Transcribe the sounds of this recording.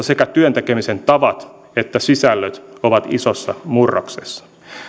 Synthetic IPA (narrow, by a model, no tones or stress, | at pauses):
sekæt̪yønt̪ekemisent̪ɑʋɑt̪ | e̞t̪ːæsisælːøt̪oʋɑt̪isosːɑmurːɑ̰ksesːɑ̥